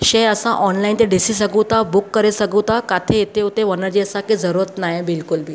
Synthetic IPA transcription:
ɕeəsãʔɔnlaint̪eɖisis̬əɡũt̪abukːəɾesəɡũt̪akat̪ʰeet̪eut̪eʋənəɾd͡ʑeəsãkid͡zəɾuɾət̪najebilkulbi

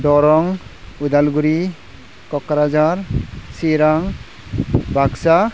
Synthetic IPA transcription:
dɔɾɔŋud̪alɡuɾi | kɔkːaɾad͡ʒaɾsiɾaŋ | bʱaksa

